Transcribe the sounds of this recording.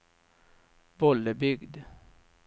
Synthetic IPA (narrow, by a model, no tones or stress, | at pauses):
b̥ɔləbʏɡd̪